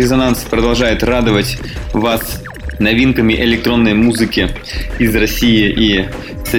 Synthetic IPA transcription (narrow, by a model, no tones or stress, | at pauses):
ɪzɐnanspɾəd̪ɐlˠʐajʊt̪rad̪ɨvətʲ | vas | nɐvʲinkəmʲɪʔɪlʲɪk̚t̪ɾo̞nːəjmuzɨkʲɪ | ɪzrɐsʲijɪʔi | sɐ